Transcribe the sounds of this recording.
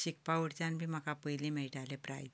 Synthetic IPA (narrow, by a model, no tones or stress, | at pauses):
ɕik̚paʋuɽt͡ɕanbʱiːməkapəjlimɛɭʈalepɾa̰j